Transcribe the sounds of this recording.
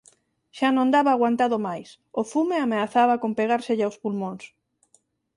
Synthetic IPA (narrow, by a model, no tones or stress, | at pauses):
ʃanõnd̪aβaːɣ̞want̪aðʊmajs | ʊfumeameaθaβakompeɣ̞aɾseʎawspulmõŋs